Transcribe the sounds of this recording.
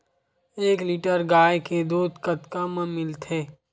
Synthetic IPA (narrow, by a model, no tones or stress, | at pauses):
eːkliːʈəɾɡaːjked̪uːd̪ʱkɐt̪kamə̃mɪlt̪ʰeː